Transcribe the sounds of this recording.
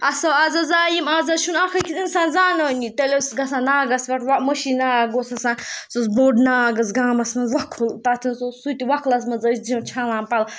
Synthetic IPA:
ɐsɐwaːzɐzaːjimaːzɐʃunakʰɐkit̪insãːnzaːnɐnʲit̪elesɡɐsãːnaːɡɐsʋɐʈʰwamɐʃinaːɡosɐsãːsosboːɖnaːɡɐsɡaːmɐsmɐnzʋɐkʰːult̪at̪ʰinsosut̪iʋɐkʰlɐs̬mɐnzɐsd͡zimt͡ʃʰalãːmpɐl

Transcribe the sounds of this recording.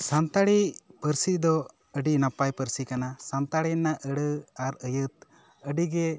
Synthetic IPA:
sant̪aɽipəɾsid̪ɔ | əɖinapajpəɾsikanasant̪aɽinaʔəɽəaɾəjət̪̚ | əɖiɡɛ

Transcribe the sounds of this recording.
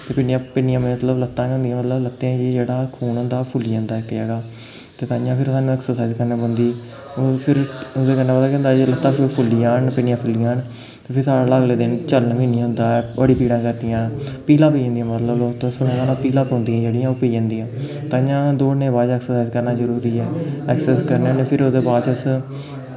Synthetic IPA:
t̪eːpɪɳɪjãːpɪnɪjãːmẽmət̪ləblət̪ːãːʊ̃nd̪ijãmət̪ləblət̪ːẽd͡ʒeːd͡ʒeːɽaːkʰuːnɦʊ̃nd̪aːpʰʊliãːnd̪aːkːɪjaːɡaː | t̪eːt̪ãːjãːpʰɪɾsaːnũːɛːksəɾsaːizkəɾnẽːbõnd̪iː | pʰɪɾod̪eːkənaːpət̪aːkːʊ̃ːnd̪aːd͡ʒeːlət̪ːãːpɪpʰʊlːiːãːnpɪnɪjãːpʰʊlijãːn | t̪eːpʰɪɾsaːɽaːlaəɡleːd̪ɪnt͡ʃəlnpiːnĩɦʊ̃nd̪aːʋəɽiːpiːɽãːkəɾd̪ijãːpiːlãːpiːãːnd̪ijãːmət̪ləbloːt̪õsʊnãːaːnãːpiːlãːpõːnd̪iːãːd͡ʒeːɽijãːoːpiːd͡ʒãːnd̪iːãː | t̪ãːjãːd̪oːnẽːbaːd͡ʒɛːksəɾsaːizkəɾnaːzəɾuːɾiːɛːɛːksɛːskəɾneneːpʰɪɾoːd̪eːbaːdt͡ʃəs

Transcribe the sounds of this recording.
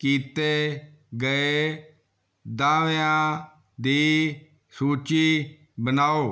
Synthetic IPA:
kiːt̪eː | ɡəeː | d̪ãːʋeãː | d̪iː | suːt͡ʃiː | bənaːoː

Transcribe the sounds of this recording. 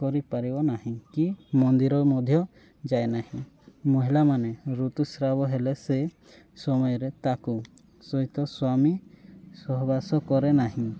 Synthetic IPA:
kɔɾipaɾibɔnaɦĩkimɔnd̪iɾɔmɔd̪ʱjɔ | d͡ʒajnahĩ | mɔɦilamanɛɾut̪usɾabɔɦɛlɛsɛ | sɔmɔjɔɾɛt̪aku | sɔit̪ɔswamisɔɦbasɔkɔɾɛnaɦĩ

